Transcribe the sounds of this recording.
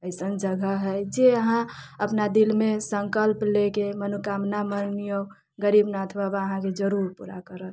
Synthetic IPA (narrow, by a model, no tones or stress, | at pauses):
əɪsənd͡ʒəɡʱəɦɛd͡ʒeəɦãəpnad̪ilmẽsə̃ŋkəlplekemənukamnamənnijo | ɡəɾibnat̪ʰbabaəɦãked͡ʒəɾuɾpṵɾa̰kəɾət̪